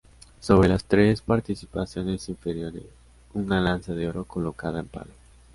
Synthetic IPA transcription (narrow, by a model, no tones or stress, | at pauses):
so̞β̞ɾe̞last̪ɾe̞spaɾt̪isi̥pasjo̞ne̞siɱfeɾjo̞ɾḛs | unalansaðeo̞ɾo̞ko̞lo̞kaðaempa̰lo